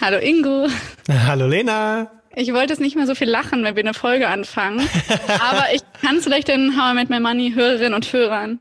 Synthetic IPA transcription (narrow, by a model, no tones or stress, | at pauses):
haloːʔɪŋɡoːɦaloleːna | ʔɪçv̥ɔltəɛsnɪçtmeɐzofiːlːaχn̩vɛnviːɐnəfɔlɡəʔanfaŋənʔaːbɐʔɪçkʰansfɪlaɪçtd̥ɛnɦaʊanmɪt̚mamaniɦøːʁɐʁ̞ɪnənʊnthøːʁ̞ɐn